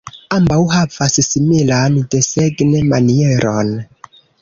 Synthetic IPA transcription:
ambawhavassimilandeseɡnemanieɾʔon

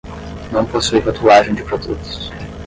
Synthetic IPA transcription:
nɐ̃w̃posuifat̪uaʒẽj̃d͡ʒɪpɾod̪ṵt̪ʊ̥s

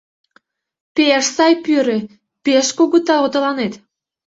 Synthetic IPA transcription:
peʃsɑjpyɾĕ | peʃkoɣot̪ːɑlot̪əlɑnet̪

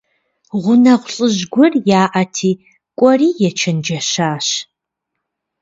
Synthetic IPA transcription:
ʁʷʊnɐʁʷɬʼɨʑɡʷʊrjaːʔɐtʰiː | kʷʼɔriːjɛt͡ʃʰɐnd͡ʒɐʃaːʃ

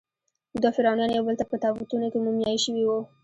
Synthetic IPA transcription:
ʊd̪ɑfɪɾɑnijɑnjawbəlt̪apət̪ɑbut̪unokemumjɑjʃəwiwu

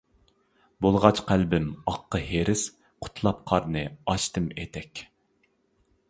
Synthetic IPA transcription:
bolˠʁɑt͡ʃqʰælbɪmɑqːəheɾɪs | qʰʊ̥t̪ʰlˠɑp̚qʰɑɾnɨɑʃt̪ɨmet̪ʰɛkʲ

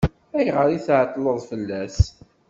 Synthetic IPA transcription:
æjʁəɾˤiθʕət̪ˤːləðˤfəlːæs

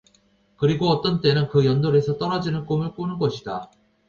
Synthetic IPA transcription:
kɯɾiɡoʌt͈ʌnt͈e̞nɯnkɯjʌndoɾe̞sʰʌt͈ʌɾad͡ʑinɯnk͈omɯɭk͈onɯnɡʌɕʰida

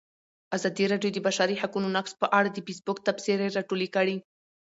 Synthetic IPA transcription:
azɑd̪iɾɑɖjod̪əbaʃaɾihakunonakspəʔaɽad̪əbisbokt̪apseɾeɾɑʈolikəɽi

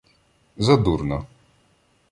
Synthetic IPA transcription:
zad̪uɾna

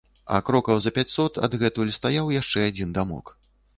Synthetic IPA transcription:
ɐ̰kɾɔkɐwzɐpʲat͡sʲsɔt̪ɐ̰d̪ɣɛt̪ulʲist̪ajawjaʂt͡ʂɛad͡zʲind̪amɔ̰k

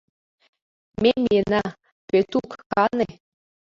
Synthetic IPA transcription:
memʲienɑ | pet̪ukkɑne

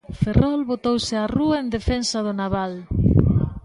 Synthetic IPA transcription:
ferɔlβot̪owsɪaruaend̪efensɐðʊnaβal

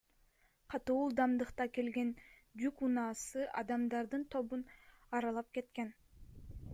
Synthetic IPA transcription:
qʰɑt̪uulˠd̪ɑmd̪ɯqt̪ɑke̞lɡe̞n | d͡ʒ̪ykunɑːsɯʔɑd̪ɑmd̪ɑɾd̪ɯnt̪ʰo̞βunɑɾɑlˠɑp̚ke̞t̪ke̞n

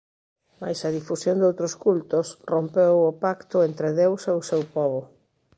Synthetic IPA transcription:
ma̰jsɐðifusjond̪owt̪ɾoskult̪osrompewʊpakt̪ʊent̪ɾeðewseʊsewpɔβʊ

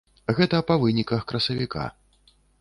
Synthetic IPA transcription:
ɣɛt̪ɐpɐvɨnʲikɐxkɾɐsɐvʲikʰa̰

